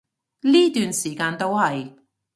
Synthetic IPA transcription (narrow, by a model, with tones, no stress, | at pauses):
liː˥t̪yː˨nsiː˨˩kaː˧nt̪o˥whɐ˨j